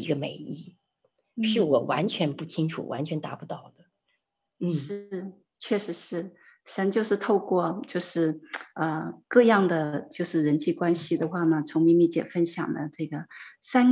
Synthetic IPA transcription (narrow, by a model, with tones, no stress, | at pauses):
ḭ˧˥ɡə˧me˨˩ɪi˥˩˥ | ʂɻ̩˥˩wɔ˨˩wa̰˧˥nt͡ɕʰɥɛ˧˥npu˥˩t͡ɕʰi˥ŋʈ͡ʂʰṵ˨˩wa̰˧˥nt͡ɕʰɥɛ˧˥nt̪a˧˥pu˧t̪ɑ˥˩ʊd̪ə˩˥ | ʂɻ̩˥˩ | t͡ɕʰɥɛ˥˩ʂɻ̩˧˥ʂɻ̩˥˩ | ɕjɑ˧˥ŋt͡ɕjo˥˧ʊʂɻ̩˥˧t̪ʰo˥˧ʊkwɔ˥˧t͡ɕjo˥˧ʊʂɻ̩˥˩ə˧kɤ˥˧jɑ˥˩ŋd̪ə˩t͡ɕjo˥˧ʊʂɻ̩˥˩ɻə˧˥nt͡ɕi˥˩kwa˥nɕi˨d̪ə˩xwa˥˩nə˩t͡sʰʊ˧˥ŋmi˧˥nmi˥˩t͡ɕjɛ̰˨˩fə˥nɕjɑ̰˨˩ŋd̪ə̰˦ʈ͡ʂɤ˥˩ɡə˩sa˥n